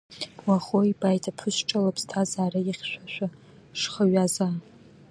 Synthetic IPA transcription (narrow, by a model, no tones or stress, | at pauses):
waχoibajtʰapʰɨʃʈ͡ʂʼalapʰʼz̥tʰazaːraiχʲʃʷᶣaʃʷᶣa | ʂχəɥaza